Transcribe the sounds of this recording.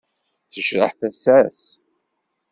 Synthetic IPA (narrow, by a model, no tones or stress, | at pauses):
θəʃɾə̰ħθæsæs